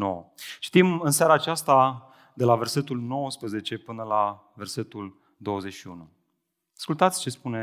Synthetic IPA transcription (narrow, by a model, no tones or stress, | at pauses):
no̰wə̰t͡ʃi̥t̪imɨnsaɾaːt͡ʃast̪a | d̪e̞lave̞rse̞t̪ulno̞wəspɾəze̞t͡ʃe̞pɨnəla | ve̞rse̞t̪ul | d̪o̞wəze̞t͡ʃʲʃiunu | askult̪at̪sʲt͡ʃe̞spune